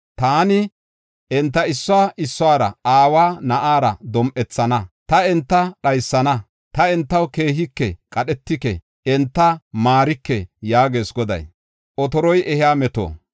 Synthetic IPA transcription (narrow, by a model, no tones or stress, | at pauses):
t̪aːnɪ | ʔɛnt̪ːɐɪsːɔaːʔɪsːɔaːɾɐ̰aːwaːnɐʔaːɾɐ̰d̪ɔmʔɛt͡sːɐnɐt̪ɐɛnt̪ːɐɗɐjsːɐnɐ | t̪ɐɛnt̪ːɐwkeːɦɪkːɛkʼɐɗɛt̪ːɪkɛ̰ | ɛnt̪ːɐmaːɾɪkːɛjaːɡe̞ːsɡɔd̪ɐ̰j | ʔɔt̪ɔɾɔjʔɛhɪaːmɛt̪o̰ː